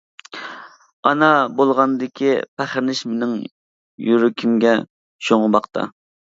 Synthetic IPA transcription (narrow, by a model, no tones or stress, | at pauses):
ɑnɑbolˠʁɑnd̪ɪkʲʰipʰæχɪɾnɪʃmɪnɪŋ | jyɾɪkʲʰimɡʲɛ | ʃoŋəbɑqt̪ʰɑ̰